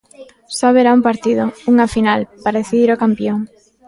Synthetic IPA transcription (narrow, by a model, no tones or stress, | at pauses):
saβeɾaumpaɾt̪iðʊuŋafinalpaɾaðeθiðiɾokampjoŋ